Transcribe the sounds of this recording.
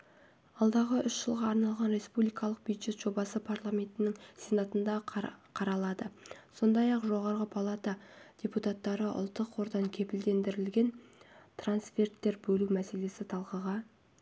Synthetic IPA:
ɑlˠd̪ɑʁəʔʏʃʒəlˠʁɑːɾnɑlˠʁɑnɾe̞spublijkɑlˠəq̚b̥ujd̪ʒ̥e̞t̪ʒ̥o̞bɑsəpʰarlˠamʲe̞nt̪ɪnɪŋse̞nat̪ənd̪ɑqʰɑɾɑlˠɑd̪əso̞nd̪ɑjɑqʒo̞ʁɑɾʁəpʰalˠat̪ad̥ʲeput̪at̪ːɑɾəʔʊ̰lˠt̪ːəqwo̞ɾd̪ɑŋkʲʰe̞pɪld̪e̞nd̪ɪɾɪlɡʲe̞nt̪ransfʲe̞rt̪ːe̞ɾbɵlumæse̞le̞sɪt̪ʰɑlˠqəʁɑ

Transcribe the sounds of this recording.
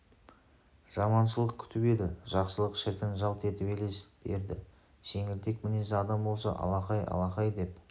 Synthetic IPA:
ʒ̥ɑmɑnʃəlˠəq̚kʲʰʏ̥t̪ʰɪpe̞d̪ɪʒɑqsəlˠəqʃɪɾkʲɪnʒɑlˠt̪e̞t̪ɪpele̞sb̥e̞̰ɾd̪ɪ̰ | ʒ̥e̞ŋɪlt̪e̞kmɪnesɪɑd̪ɑmbo̞lˠsɑ̰ʔɑ̰lˠɑqɑjɑ̰lˠɑqɑjd̪e̞p

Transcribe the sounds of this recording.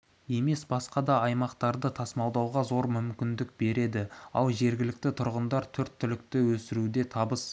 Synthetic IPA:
je̞me̞sbɑsqɑd̪ɑɑjmɑqt̪ɑɾd̪ət̪ʰɑsmɑwd̪ɑwʁɑzo̞ɾmʏmkʲɪnd̪ɪk̚be̞ɾe̞d̪ɪɑ̰lˠʒe̞ɾɡʲɪlɪk̚t̪ɪt̪ʰʊɾʁənd̪ɑɾt̪ʰɵɾt̪ʰːʏlɪk̚t̪ɪwɵsɪɾud̪e̞t̪ʰɑbəs

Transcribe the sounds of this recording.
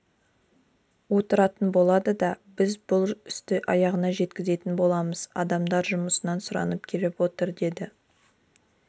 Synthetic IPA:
wo̞t̪əɾɑt̪ənbo̞lˠɑd̪əd̪ɑbɪzbʊlˠʏst̪ɪʔɑjɑʁənɑʒe̞t̪̚kʲɪze̞t̪ɪnbo̞lˠɑməz̥ɑ̰d̪ɑmd̪ɑɾʒʊməsənɑnsʊɾɑ̰nəp̚kʲʰe̞lɪpwo̞t̪əɾd̪e̞d̪ɪ

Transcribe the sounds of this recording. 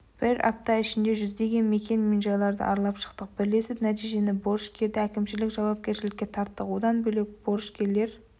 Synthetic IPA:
b̥ɪɾɑ̰p̚t̪ɑɪʃɪnd̪e̞ʒʏzd̪e̞ɡʲe̞nme̞kʲe̞nminʒɑlˠɑɾd̪ə̰ʔɑɾlˠɑpʃə̥qt̪əq̚bɪɾle̞sɪznæt̪ijʒe̞nɪbo̞ɾʃkʲʰe̞ɾd̪ɪækʲɪmʃɪlɪkʒɑwɑp̚kʲe̞ɾʃɪlɪkʲːe̞t̪ʰɑɾt̪ːəqwod̪ɑnbɵle̞k̚b̥o̞ɾʃkʲʰe̞ɾle̞ɾ

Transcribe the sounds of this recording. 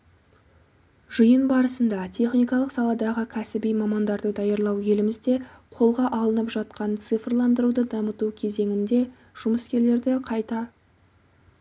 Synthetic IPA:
ʒəjənbɑɾəsənd̪ɑt̪ʲʰe̞χnijkɑlˠəqsɑlˠɑd̪ɑʁəkʲʰæsɪbijmɑmɑnd̪ɑɾd̪əd̪ɑjɑɾlˠɑwje̞lɪmɪzd̪e̞qʰo̞lˠʁɑʔɑlˠənəpʒɑt̪̚qɑnt̪sɨfrlˠɑnd̪əɾud̪əd̪ɑmət̪ukʲʰe̞ze̞ŋʲɪnd̪e̞ | ʒ̥ʊməskʲe̞ɾle̞ɾd̪ɪqʰɑjt̪ɑ

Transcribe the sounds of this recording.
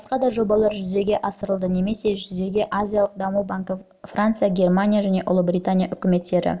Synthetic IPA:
bsqɑd̪ɑʒo̞bɑlˠɑɾʒʏzd̪e̞ɡʲe̞ʔɑsəɾəlˠd̪əne̞me̞se̞ʒʏzd̪e̞ɡʲe̞ʔazʲijalˠəq̚d̪ɑmubaŋkə | frant̪sɨjaɡʲe̞rmanʲijaʒæne̞ʔʊ̰lˠəbɾʲijt̪anʲijaʔʏkʲɪme̞t̪ːe̞ɾɪ̰

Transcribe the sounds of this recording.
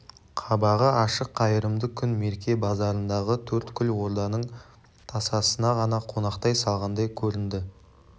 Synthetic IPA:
qʰɑbɑʁəɑʃəqːɑjəɾəmd̪əkʲʰʏnme̞ɾkʲe̞bɑzɑɾənd̪ɑʁət̪ʰɵɾt̪kʲʰʏlwo̞ɾd̪ɑnəɴ | t̪ʰɑsɑsənɑʁɑnɑqʰo̞nɑqt̪ɑjsɑlˠʁɑnd̪ɑjkʲʰɵɾɪnd̪ɪ

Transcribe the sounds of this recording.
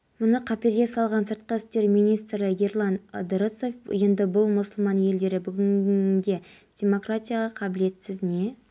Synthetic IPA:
mʊnəqʰɑpeɾɡʲe̞sɑlˠʁɑnsəɾt̪̚qɑɪst̪e̞ɾmijnijst̪ɾəɡʲe̞ɾlˠand̪ɾət̪so̞fje̞nd̪ɪbʊlˠmʊsʊlˠmɑnje̞ld̪e̞ɾɪbʏɡʲɪnd̪e̞ | d̥ʲe̞mo̞kratʲijaʁɑqʰɑbɪle̞t̪sɪzne̞

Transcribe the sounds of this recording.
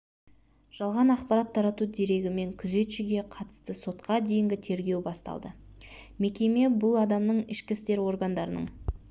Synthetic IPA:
ʒ̥ɑlˠʁɑnɑqpɑɾɑt̪ʰːɑɾɑt̪ud̪e̞ɾe̞ɡʲɪme̞ŋkʲʰʏze̞t̪ʃɪɡʲe̞qʰɑt̪ə̥st̪əso̞t̪qɑd̪e̞jɪŋɡʲɪt̪ʰe̞ɾɡʲe̞wbɑst̪ɑ̰lˠd̪ə | me̞kʲe̞me̞bʊlˠɑd̪ɑmnəɴɪʃkʲɪst̪e̞ɾwo̞rɡand̪ɑɾənə̰ɴ

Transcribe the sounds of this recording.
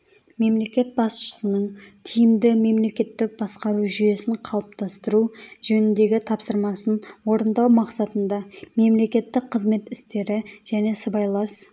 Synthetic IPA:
me̞mle̞kʲe̞t̪̚bɑsʃə̥sənəɴt̪ʰijɪmd̪ɪme̞mle̞kʲe̞t̪ːɪk̚b̥ɑsqɑɾuʒʏje̞sɪɴqʰɑlˠəp̚t̪ɑst̪əɾuʒɵnɪnd̪e̞ɡʲɪt̪ʰɑpsəɾmɑsənwo̞ɾənd̪ɑwmɑqsɑt̪ənd̪ɑme̞mle̞kʲe̞t̪ːɪk̚qʰəzme̞t̪ɪst̪e̞ɾɪʒæne̞səbɑjlˠɑs

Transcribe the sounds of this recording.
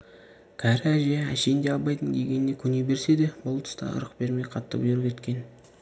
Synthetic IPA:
kʲʰæɾɪæʒeæ̰ʃe̞jnd̪e̞ɑlˠbɑjt̪əŋkʲʰeɡʲe̞nne̞kʲʰʏne̞be̞ɾse̞d̪e̞bʊlˠt̪ʰə̥st̪ɑ̰ə̰ɾəqbe̞ɾmejqʰɑt̪ːə̰bʒɵɾɪpʲʰet̪̚kʲe̞n

